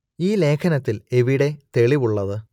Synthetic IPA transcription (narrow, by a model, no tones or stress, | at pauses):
iːle̞ːkʰɐnɐt̪ːileʋiɽe̞t̪e̞ɭiʋuɭːɐðɨ